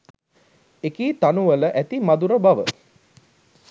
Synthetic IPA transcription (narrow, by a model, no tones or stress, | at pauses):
ekiːt̪anuʋələʔæt̪imad̪uɾəbaʋə